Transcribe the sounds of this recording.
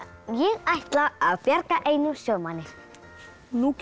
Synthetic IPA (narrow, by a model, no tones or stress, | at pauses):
jɛɣajht̪laaðpjaɾkaʔeːjnʏmsjœːɣmanːɪɾ̥ | nuc